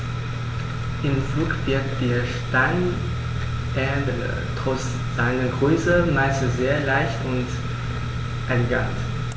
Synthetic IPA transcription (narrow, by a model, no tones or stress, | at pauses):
ʔɪmfluːkv̥ɪɐk̚td̥iːɐʃtaɪn | ɛɐdəə̰ | tʁ̥ɔs | z̥aɪnəɡʁyːzəmaɪs̩zeːɐlaɪçtʊnt | ʔaɪnɡa̰t